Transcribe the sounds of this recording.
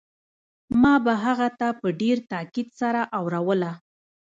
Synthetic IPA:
mɑbaɦaɣat̪apəɖeɾt̪ɑkid̪saɾaʔawɾawəla

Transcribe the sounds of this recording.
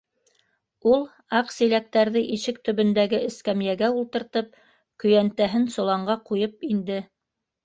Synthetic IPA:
ulˠ | ɑqsilæk̚t̪æɾðɘʔiʃɘk̚t̪ɵ̆βɵ̆nd̪æɡɘɘ̆skæmjæɡæulˠt̪ɤ̆ɾt̪ɤp̚ | kɵ̆jænt̪æɦɘnsŏlˠɑɴɢɑqujɤpind̪ɘ

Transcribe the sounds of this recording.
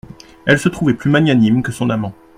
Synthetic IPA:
ɛlsət̪χuvɛplymaɲjanimkəsɔ̃namɑ̃

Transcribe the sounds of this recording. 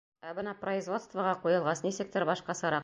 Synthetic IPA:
æbɤnɑproizvo̞t̪st̪vəʁɑqujɤ̆lˠʁɑsnisɘ̆kt̪ɘɾbɒʃqɑsɤ̆ɾɑq

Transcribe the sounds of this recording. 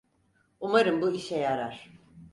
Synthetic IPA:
umaɾɯmbuiʃɛjaɾaɾ̥

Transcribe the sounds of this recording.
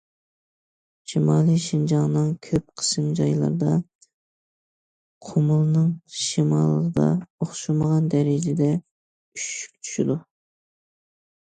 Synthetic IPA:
ʃimɑːlˠɨʃind͡ʒɑŋnɨŋkʲʰøp̚qʰə̥sɨmd͡ʒɑjlˠɑ̰ɾd̪ɑ | qʰomulˠɨnɨŋʃimɑlˠːəʁəd̪ɑ̰oχʃuməʁɑnd̪ɛɾɪd͡ʒɪd̪ɛ | yʃy̥k̚ʲt͡ʃʰy̥ʃid̪u

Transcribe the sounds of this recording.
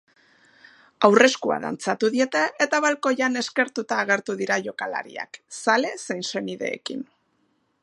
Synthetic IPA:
awre̞skua̰ða̰nt͡sat̪uðie̞t̪e̞ʔet̪aβalko̞ʝane̞ske̞ɾt̪ut̪aːɣ̞e̞ɾt̪uðiɾaʝo̞kala̰ɾḭa̰ksale̞sejnse̞niðe̞̰ːkḭn

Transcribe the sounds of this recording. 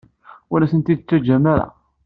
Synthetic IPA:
wʊlæsənt̪id̪t͡s̪ːæd͡ʒæmːæɾæ̰

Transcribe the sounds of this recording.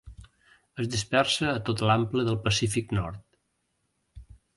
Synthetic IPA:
əzd̪ispɛrsəːt̪ot̪lampləðəlˠpəsifiknɔɾt̪

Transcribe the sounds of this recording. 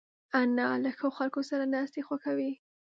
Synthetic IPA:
analaxəoxalkosaɾanɑst̪exwaxawi

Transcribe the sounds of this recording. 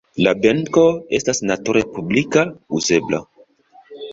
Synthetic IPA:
labeŋko̞e̞stasnatuɾepublikauzebla̰

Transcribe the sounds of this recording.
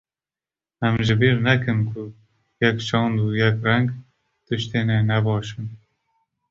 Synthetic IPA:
ɛmʒɨbiːɾnɛkɨnkʰʊ | jɛkt͡ʃɑːnd̪uːjɛkrɛŋɡ | t̪ɨʃt̪eːnɛnɛbɑːʃɨn

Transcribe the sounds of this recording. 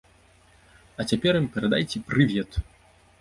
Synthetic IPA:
ɐt͡sʲapʲɛɾjimpʲɛɾɛd̪ajt͡sʲɛpɾɨvʲɛt̪

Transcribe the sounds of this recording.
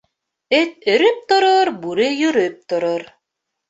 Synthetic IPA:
ɘt̪̚ɵ̆ɾyp̚t̪ŏɾoɾbuɾɘjɵɾɵp̚t̪ŏɾoɾ

